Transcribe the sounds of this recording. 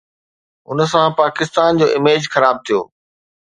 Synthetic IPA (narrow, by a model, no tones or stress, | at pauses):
ʊ̰nsãpaːkɪst̪aːnd͡ʑoːʔɪmeːd͡ʑxɐɾaːb̚t̪ʰijo̰ː